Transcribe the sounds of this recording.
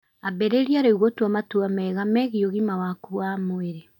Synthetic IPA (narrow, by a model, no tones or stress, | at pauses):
abɛɾeɾiaɾoiɣotwamatuamɛɣamɛɣioɣimawakuamoeɾe